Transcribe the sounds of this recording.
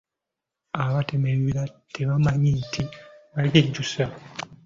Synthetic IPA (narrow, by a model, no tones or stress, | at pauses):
aβatemeiɾatʰeβamaɲintʰiβaɡed͡ʒusa